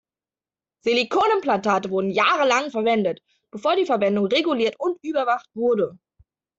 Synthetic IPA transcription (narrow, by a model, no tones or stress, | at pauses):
z̥elikʰoːnənplantaːtəvʊɐdn̩jaːʁəlaŋfɛɐvɛndət | b̥əfoːɐdiːfɛɐvɛndʊŋʁeɡuliːɐtʊntʔyːbɐvaχtv̥ʊɐdə